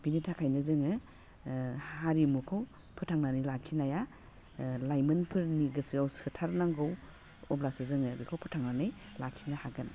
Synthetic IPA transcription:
b̥initʰakʰajnɯzɯŋɯ | haɾimukʰɯw | pʰɯtʰaŋnanɯjlakʰinaja | lajmɯnpʰɯɾniɡɯsɯawsɯtʰaɾnaŋɡɯw | ɔblasɯzɯŋɯbikʰawpʰɯtʰaŋnanɯjlakʰinahaɡɯn

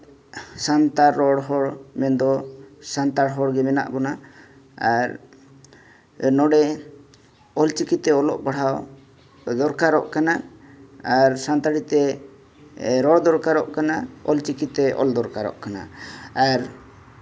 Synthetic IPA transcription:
sant̪aɾɔɽɦɔɽmɛnd̪ɔsant̪aɽɦɔɽɡɛmɛna̰ʔbɔna | aɾ | nɔɽɛ | ɔlt͡ʃikit̪ɛɔlɔʔbaɽ̤aw | d̪ɔɾkaɾɔʔkanaː | ɾsant̪aɽit̪ɛ | ɾɔɽd̪ɔɾkaɾɔʔkanaɔ̰lt͡ʃikit̪ɛʔɔ̰ld̪ɔɾkaɾɔ̰ʔkana̰aɾ

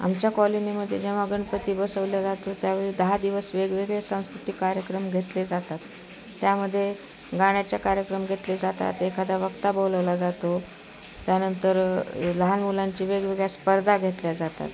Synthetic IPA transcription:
a̰mt͡ɕjakɔliniməd̪ʱːjed͡ʑeʋ̤aəɡəɳpət̪iːbəsəʋljad͡zat̪ot̪jaʋəɭid̪əɦad̪iʋəsʋeɡʋeɡɭesãw̃skɾut̪ikːaɾjəkɾəmɡʱet̪led͡zat̪at̪ː | jaməd̪ʱːje | ɡaɽ̃jat͡ɕjakaɾjəkɾəmɡʱet̪led͡zat̪a̰t̪ekʰad̪aʋəkt̪aboləʋlad͡zat̪o | t̪janənt̪əɾləɦanmulaɲt͡ɕiʋeɡʋeɡɭjaspəɾd̪ʱaɡʱet̪ljad͡zat̪a̰t̪

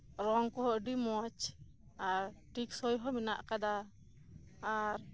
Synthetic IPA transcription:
ɾɔŋkɔɦɔʔɖimɔt͡ʃ | aɾʈiksɔjɦɔminaʔkad̪a | ɾ

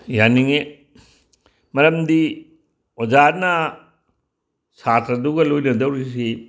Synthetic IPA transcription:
janiŋe | mɐɾɐmdi | od͡ʒaɾnɐ | satɾɐduɡɐlojnɐdɐwɾis̬i

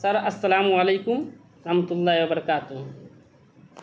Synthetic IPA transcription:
sɐɾʔɐsːɐlaːmuɐlejkum | ɾɐhmɐt̪ulːaːɦiwɐbɐɾɐkaːt̪u

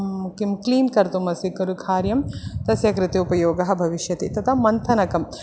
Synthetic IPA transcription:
kimkliːnkɐɾt̪umɐsikɐɾukʰaːɾjɐmt̪ɐsjɐkɾɪt̪eupɐjoːɡɐɦɐ̆bʱɐʋiʃjɐt̪it̪ɐt̪ʰɐmɐnt̪ʰɐnɐkɐm

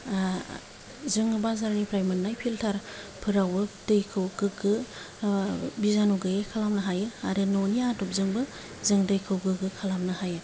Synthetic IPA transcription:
zɯŋɯbazaɾnipʰɾajmɯnːajpʰiltʰaɾpʰɯɾawɯdɯjkʰɯwɡɯɡɯ | bizanuɡɯjekʰalamnɯɦajɯaɾɯnɔniatɔp̚zɯŋbɯ | zɯŋdɯjkʰɯwɡɯɡɯkʰalamnɯhajɯ

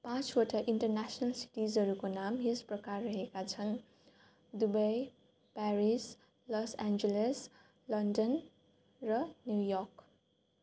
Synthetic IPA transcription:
pãt͡swʌʈʌʔiɳʈʌrnasnʌlsi̥ʈizʌɾukonamɦesprʌkarːʌɦekat͡sʰʌn | d̪ubʌj | paɾis | lʌsand͡zeles | lʌndʌn | rʌnjujɔrk

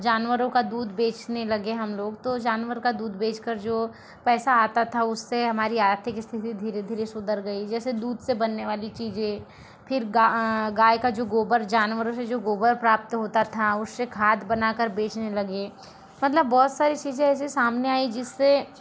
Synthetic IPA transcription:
d͡ʒaːnʋəɾõkad̪uːd̪beːt͡ʃnelɐɡeɦɐmloːɡt̪od͡ʒaːnʋəɾkad̪uːd̪ʱbeːt͡ʃkəɾd͡ʒoː | pɛːsaaːt̪at̪ʰaʊsːeɦɐmaːɾiaːt̪ʰikist̪ʰɪt̪id̪ʱiːɾed̪ʱiːɾesʊd̪əɾɡɐid͡ʒɛːsed̪uːd̪ʱsebɐnːeʋaːlit͡ʃiːzẽ | pʰɪɾɡaɡaːjkad͡ʒoːɡoːbəɾd͡ʒaːnʋəɾõsed͡ʒoːɡoːbəɾpɾaːp̚t̪ɦoːt̪at̪ʰaʊsːekʰaːd̪bɐnaːkəɾbeːt͡ʃnelɐɡe | mɐt̪ləbːɔːt̪saːɾit͡ʃiːzẽɛːs̬isaːmneaːid͡ʒɪsːe

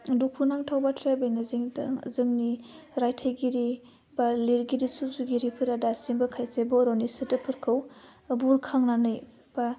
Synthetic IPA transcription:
dukʰunaŋtʰawbatʰɾabejnaziŋd̰zɯŋni | ɾajtʰajɡiɾi | baliɾɡiɾisuzuɡiɾipʰɯɾadasiŋbɐkʰajsebɔɾɔnisɯtɯpʰɯɾkʰɯwbuɾkʰaŋnanɯj | b̥a

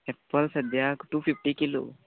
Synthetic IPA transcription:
ɛpːəlsəd̪jakʈupʰifʈikilo̰

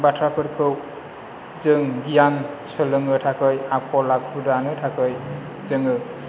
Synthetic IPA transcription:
batʰɾapʰɯɾkʰɯw | zɯŋɡijansɯlɯŋɯtʰakʰɯjakʰɔlak̚pʰudanɯtʰakʰɯj | zɯŋɯ

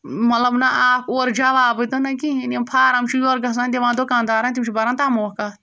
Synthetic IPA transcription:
mɐt̪lɐbnaʔaːkoːɾd͡ʒaʋaːbɨt̪ɐnɐkiiniɐmpʰaːɾamt͡ʃʰujoːɾɡɐs̬ãːnd̪eʋãːd̪okãːnd̪aːɾaːnt̪imt͡ʃibɐɾãːnt̪aːmoːkaː

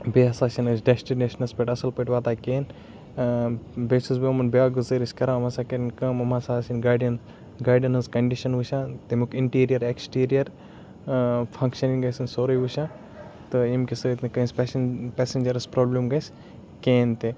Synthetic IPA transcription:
beɐsaːsinɐsɖesʈineːʃɐnɐspɐʈɐsɐlpɐʈʲʋaːt̪aːkeːn | besusbiɐmɐnbiaːɡuzɐɾiskɐɾaɐmɐsakɐɾnkɐmɐmasaːsinɡaːɖijɐn | ɡaːɖɐnɐzkɐɳɖiʃɐnʋuʃãːt̪emukiɳʈiːɾijɐɾeksʈiːɾijɐɾ | pʰɐ̃ŋkʃɐniŋɡɐjsɨnsoːɾɐjʋuʃãː | t̪ɨimkisɨt̪nɨkɐnsppɛsend͡ʒɐɾspɾoːblɐmɡɐsʲ | keːnt̪e

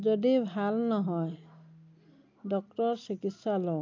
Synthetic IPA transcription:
zɔdibʱalnɔɦɔj | dɔk̚tɔɹsikitsalɔ

